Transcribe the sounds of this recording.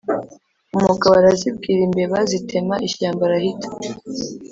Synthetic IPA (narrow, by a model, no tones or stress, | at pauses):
umuɡaβaɾazib̚ɡiːɾimbe̞βazitʰe̞maʔiçaːmbaɾahitʰḁ